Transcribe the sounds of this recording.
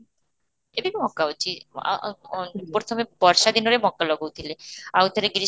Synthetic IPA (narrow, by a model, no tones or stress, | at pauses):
ebikimɔkːaot͡ɕʰḭ | pɾot̪ʰomebɔɾʃad̪inoɾemɔkːalɔɡowt̪ʰileaut̪eɾeɡɾi